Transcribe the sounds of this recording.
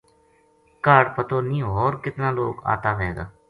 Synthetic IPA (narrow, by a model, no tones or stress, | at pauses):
kaːɖpət̪oːnĩːɦoːɾkɪt̪nãːloːɡa̰ːt̪aːʋeːɡa̰ː